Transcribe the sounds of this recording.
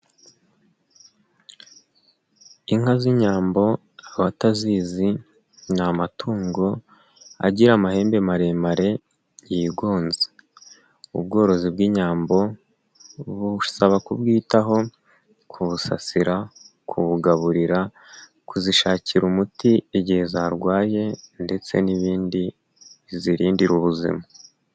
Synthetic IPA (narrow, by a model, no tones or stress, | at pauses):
iŋaziɲaːmbo̞ | aβataziːzi | namatʰuːŋɡo̞ | a̰ɟiɾamahe̞ːmbe̞maɾe̞maɾe̞ | jjiɡo̞ːnze̥ | ṵb̚ɡo̞ːɾo̞zibɡiːɲaːmbo̞ | βusaβakubɡiːtaɦo̞ | kʰuβusa̰siɾa | kʰuβuɡaβuɾiɾa | kuziʃaːciɾumutieɟihe̞zaːɾɡwaːje̞nde̞t͡se̞̰niβiːndi | βiziɾiːndiɾuβuzḭma